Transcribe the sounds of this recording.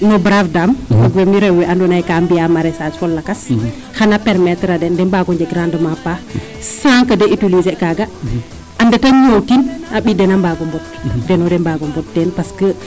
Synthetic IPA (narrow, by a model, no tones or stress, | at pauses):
nɔbɾafdamwaɡwɛmiɾɛwwɛandɔnajkambijamaɾɛsad͡ʒfɔlːakas | xanapɛɾmɛtɾadɛndɛmbaɡɔɲd͡ʒɛɡɾandəmapa | saŋkədɛʔitulizɛkaɡa | ʔandɛtaɲowtinaɓidɛnambaɡɔmbɔt̚ | dɛnɔdɛmbaɡɔmbɔt̚dɛnpaskə